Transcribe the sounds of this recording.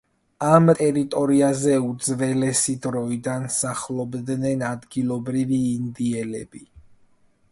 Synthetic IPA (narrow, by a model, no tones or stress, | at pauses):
amt̪ʼɛɾit̪ʼɔɾiazɛud̪zvɛlɛsid̪ɾɔid̪ansaχlˠɔbd̪nɛnad̪ɡilˠɔbɾiviːnd̪iɛlɛ̰bi